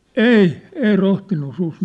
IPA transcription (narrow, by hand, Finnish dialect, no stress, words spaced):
ei ei rohtinːu sus